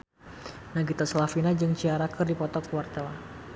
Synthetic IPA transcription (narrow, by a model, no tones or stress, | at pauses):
naɡit̪aslafinad͡ʒɨŋt͡ʃiaɾakɨrdipɔt̪ɔkuart̪ɛla